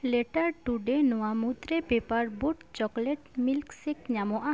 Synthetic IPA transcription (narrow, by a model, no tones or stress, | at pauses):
leʈaɾʈuɖenɔwamut̪ɾepepaɾboʈt͡ʃɔkleʈmilksekɲamɔʔa